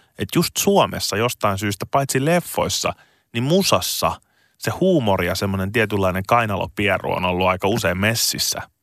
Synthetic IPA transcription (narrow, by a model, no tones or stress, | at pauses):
et̪just̪suomʔesːɑjost̪ɑinsyːst̪æpɑjt̪silefːo̞̰jsːɑ̰ | nimmusɑsːɑ̰ | sehuːmorijɑsemːonent̪iɛt̪ylːɑineŋkɑinɑlo̰piɛro̰o̰nolːuɑikɑuseːmmesːisːæ̰